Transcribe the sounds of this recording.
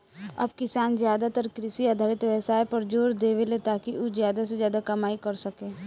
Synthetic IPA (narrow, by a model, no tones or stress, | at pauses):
ɐ̰bkɪsaːnzjaːd̪at̪ɐɾkɾɪsiad̪ʱaːɾɪt̪ʋɛsaːepɐɾd͡ʒoːɾd̪eːʋelet̪aːkiʔuzjaːd̪asezjaːd̪akɐmaːikɐɾsɐkeː